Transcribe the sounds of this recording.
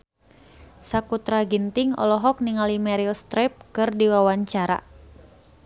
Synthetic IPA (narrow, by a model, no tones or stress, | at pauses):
sakut̪ɾaɡint̪iŋɔ̰lɔɦɔk̚niŋalimɛɾilst̪ɾɛp̚kɨrdiwawaɲt͡ʃaɾa̰